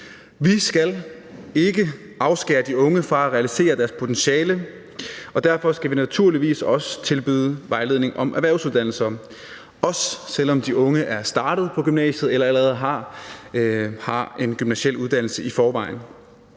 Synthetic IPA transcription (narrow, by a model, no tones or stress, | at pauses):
ʋisɡ̥æl | e̝ɡ̥ə | ʔɑ̈ʊsɡ̥eːɐd̥iɔ̽ŋəfʁɑ̈æʁɛælise̝̰ːɐd̥æɐspʰo̝t͡sʰenɕɛːlə | ɒ̽d̥æɐfɒ̽sɡ̥æʋinæt͡sʰuɐliʋḭːsɒ̽sə̥t͡sʰe̝lb̥y̰ðˠəʋɑ̈ɪle̝ð̞ˠne̝ŋʔɒ̽mʔæʋæɐʊsuðˠd̥æn̰l̩sɐ | ɒ̽ssel̰ɒ̽md̥iʔɔ̽ŋəʔæɐsd̥ɑ̈ːɾ̥ð̩ˠpʰɒ̽ɡ̥ymnɛ̰ːɕð̞̩ˠelɐæləʁɛð̞̩ˠɦɑ̈ | hɑ̈ʔe̝nɡ̥ymnæsel̰uð̞ˠd̥æn̰l̩səifɒːʋɑ̈ɪ̰n